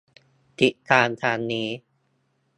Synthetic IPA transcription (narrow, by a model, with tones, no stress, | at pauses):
t̪ʰi˨˩k̪aː˧nt̪ʰaː˧nːiː˦˥